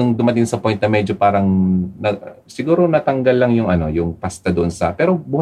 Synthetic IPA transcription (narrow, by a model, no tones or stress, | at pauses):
ʊŋd̪ʊmɐt̪ɪŋsɐpojnɐmɛd͡ʒo̞paːɾɐŋnɐ | sɪɡuːɾo̞nɐt̪ɐŋɡɐlːɐŋjʊŋʔɐno̞jʊŋpast̪ɐd̪oʔonsɐpɛːɾobuːh